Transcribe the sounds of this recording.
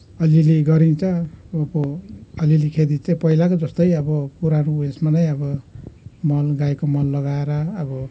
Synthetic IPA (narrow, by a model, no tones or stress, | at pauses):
ʌliliɡʌɾint͡sʰʌpʌlilikʰed̪it͡sajpʌilakod͡zʌst̪ʌjʌbʌpuɾanuesmanʌjʌbʌ | mʌlɡaekomʌlːʌɡaeɾʌːbʌ